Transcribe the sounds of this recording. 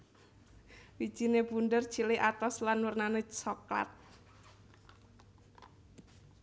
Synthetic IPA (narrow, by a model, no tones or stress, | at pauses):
wid̥ʒ̥i̤nebundər̥ʒ̥ilɪʔat̪ɔslanwərnanesɔkla̰t̪̚